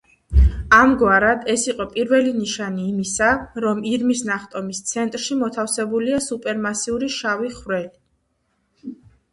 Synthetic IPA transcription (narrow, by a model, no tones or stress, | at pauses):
amɡwaɾad̪ɛsiqʼɔpʼiɾvɛliniʃaniːmisaɾɔmiɾmisnaχt̪ʼɔmist̪sʰɛnt̪ʼɾʃimɔt̪ʰafsɛbuliasupʼɛɾmasiuɾiʃaviχɾɛli